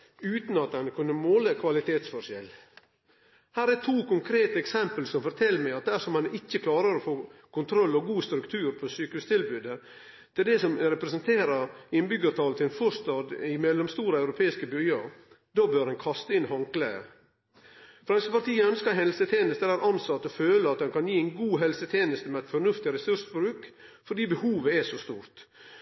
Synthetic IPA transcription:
ʉːt̪n̩ɑt̪ɛnkʰʉnːəmoːləkʰʋɑlɪt̪ʰeːt̪sfɔʂjɛl | hæːɾɛt̪ʰuːkʰʊŋkʰɾeːt̪əɛksɛmpəlsɔmfɔɾt̪ʰɛlːmæɪɑt̪̚d̪æsɔmhɑnɪçːəkʰlɑːɾəɾɔfoːkʊnt̪ʰɾɔlːɔɡuːst̪ɾʉkt̪ʰʉːɾpʰɔsyːkʉst̪ʰɪlbʉːd̪ə | t̪ʰɪld̪ɛsɔmɾɛpɾɛsənt̪ʰeːɾəɾɪnbʏɡəɾt̪ʰɑːlt̪ʰɪɛnfɔʂt̪ɑːd̪ɪmɛlːɔmst̪uːɾəɑʉɾʊpʰeːɪskəbʏləɾ | d̪ɑːbøɾhɛnkʰɑst̪əɪnhɑŋklæə̰ | fɾɑŋsəpɑɾt̪iːəœnskəɦɛllsət̪ʰeːnəst̪əd̪æɾʔɑnsɑt̪ːɔføːləɑt̪̚d̪ɛnkʰɑnjiːæɪnɡuːɦɛlsət̪ʰeːnəst̪əmɛæt̪fɔɾnʉft̪ɪɾɛsʉɾʂbɾʉːkfɔɾɖiːbəhuːʋəɛʂɔst̪uːɾt̪

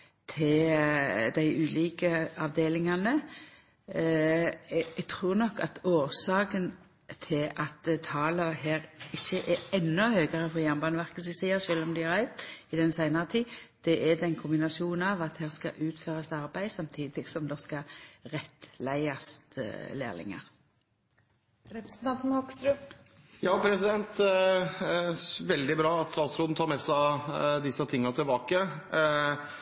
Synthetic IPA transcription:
t̪ʰɪl | d̪æɪʔʉːliːkəɑʋd̪eːlɪŋɑnə | ɛɡ̚t̪ʰɾuːʁnɔkːɑ̰t̪oːʁsɑːkən | t̪ʰɪlʔɑt̪t̪ʰɑːlɔɦeːɾɪçːəʔɛɛnːʊhøːɡəʁəfɔjæmbɑːnʋæʁkəsɪsiːɑʃøːlɔmd̪ɪæɾæɪt̪ɪd̪ɛnsæɪnɑʁət̪ʰiːd̪̥ɛʔɛd̪ɛnkʰʊmbɪnɑsɪuːnɑʋɑt̪hæːʁskɑ̰ʔʉːt̪føːʁɑst̪ɑʁbæɪd̪sɑmt̪ʰiːd̪ɪɡsɔmd̪ɛskɑʁɛt̪læɪɑst̪lḛːlɪ̰ŋə̰ʁ | ɾɛpɾsn̩t̪ʰɑnt̪nɔksɾʉp | jɑːpʰɾɛsɪd̪ɛnt̪ | ʋɛld̪ɪbɾɑːɑt̪st̪ɑːt̪sɾoːd̪n̩t̪ʰɑːɾmɛsæd̪ɪsət̪ʰɪŋːt̪ɪlbɑːkə

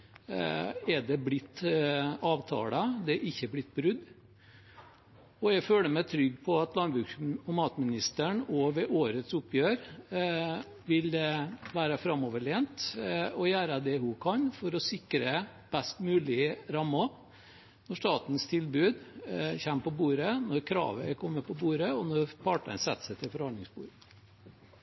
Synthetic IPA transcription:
ɛɖ̪ɛblɪt̪ː | ɑːʋt̪ʰɑ̰ːlɑd̪ɛʔɪçːəblɪt̪̚ːbɾʉd̪ː | ɔɛɡføːləmæɪt̪ʰɾʏɡːpʰɔɑt̪lɑnbɾʉːkɔmɑːt̪mɪnɪst̪əɳɔʋɛʔoːɾət̪sʊpʰːjøːɾ | ʋɪlʋæːɾəfɾɑmːɔʋəɭeːnt̪ɔjæːɾəd̪ɛhʊkʰɑnfɔɾɔsɪkɾə | b̥ɛst̪mʉːlɪɾɑmːɑ | nɔʂt̪ɑːt̪n̩st̪ʰɪlbʉːd̪çæmpʰɔbuːɾənɔɾkʰɾɑ̰ːʋəkʰɔmːəpʰɔbuːɾəɔnɔɾpʰɑʈə̰nsɛt̪ːsɛɪt̪ʰɪlfɔɾhɑnd̪ɪŋsbṵːɾə

